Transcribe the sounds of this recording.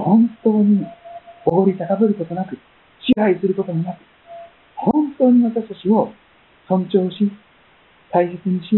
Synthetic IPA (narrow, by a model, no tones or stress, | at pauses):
hõ̞nt̪o̞ːɲ̟ioɡo̞ɾʲit̪ak̪abɯɾɯ̟ko̞t̪o̞nakɯ̟ | ɕiɦaisɨɾɯ̟ko̞t̪omonakɯ̟̥ | hõ̞nt̪o̞ːɲ̟iβat̪aɕi̥t̪at͡ɕio̞ | sõ̞ɲt͡ɕo̞ːɕi | t̪aise̞t͡sɨɲ̟iɕi